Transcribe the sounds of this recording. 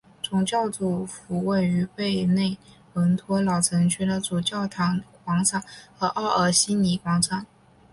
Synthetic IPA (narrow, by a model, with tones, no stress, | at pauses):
t͡sʊ˨˩ŋt͡ɕjɑ˥˩ʊt͡su˨˩fu˧˥we˥˩ɪy˧˥pe˥˧ɪne˥˩ɪ | wə˧˥nt̪ʰwɔ˥lɑ˨˩ʊt͡sʰɤ˧˥ŋt͡ɕʰy˥˩d̪ə˨t͡su˨˩t͡ɕjɑ˥˩ʊt̪ʰɑ˧˥ŋkwɑ˧˥ŋt͡sʰa˥˩nxɤ˧˥ʔɑ˥˩ə˞˨˩ɕi˥ni˧˥kwɑ˧˥ŋt͡sʰa˥˩n